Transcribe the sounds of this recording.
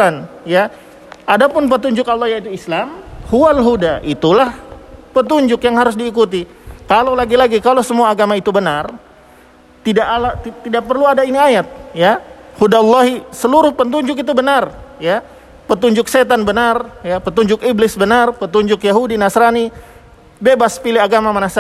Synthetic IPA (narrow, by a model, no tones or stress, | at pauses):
anja | adapʊnp̬ət̪̬uɲd͡ʒʊkalːɑhjait̪uislamhualɦudaʔit̪ulahpət̪uɲd͡ʒʊkjaŋhaɾʊs̬diːkut̪̬i | kalawlaɡilaɡikalosəmuaːɡamait̪ubənar | t̪idaʔalat̪idaʔ̚pərluadainiajat̪̚jahudalːɑɦisəluɾʊhpənt̪̬uɲd͡ʒʊkit̪̬ubənarja | pət̪uɲd͡ʒʊkset̪̬anbənarjapət̪uɲd͡ʒʊkiblɪsbənarpət̪uɲd͡ʒʊkjaɦudinasɾani | bebaspilɪaɡamamənas